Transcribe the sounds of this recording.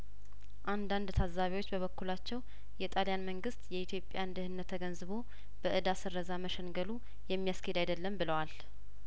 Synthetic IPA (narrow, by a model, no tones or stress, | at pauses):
ʔand̪and̪t̪ʰazːaβiwo̞t͡ʃːbəβəkːulat͡ʃːɛw | jɛt̪ʼalijanməŋɡɨst̪jɛit̪ʰjo̞pʼjand̪ɨhɨnːət̪ʰːəɡənzɨβo̞ | b̥əʔɨd̪asɨrːəzaməʃəŋɡəlu | jɛmːijaskʰəhed̪ajd̪əlːəmbɨləwal